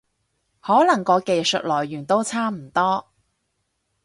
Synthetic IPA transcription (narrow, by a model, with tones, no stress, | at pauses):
hɔː˨˥lɐ˨˩ŋkɔː˨˧ke˧jsɵ˨t̚lɔː˨˩jɥyː˨˩nt̪o˥wt͡sʰaː˥m̩˨˩t̪ɔː˥